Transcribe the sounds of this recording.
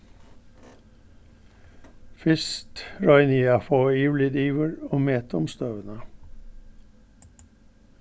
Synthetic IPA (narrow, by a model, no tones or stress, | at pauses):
fɪst̪ɹɑɪniːɑfoːiːʋlɪd̪iːʋəɹoːmeːt̪ʊmst̪øːʋənə